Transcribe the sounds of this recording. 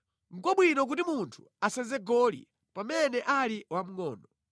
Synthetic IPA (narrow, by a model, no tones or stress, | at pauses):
ŋ̩kɔɓwinɔk̬utimuntʰu̥ | asɛnzɛɡɔlḭ | pamɛnɛʔaliwam̩ŋɔːnɔ